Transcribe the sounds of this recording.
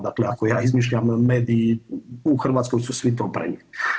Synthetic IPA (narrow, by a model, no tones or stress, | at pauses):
d̪akleakojaːizmiːʃʎamːeːd̪iːuxr̩ʋaːt̪skojsusʋit̪o̞ːpɾḛɲi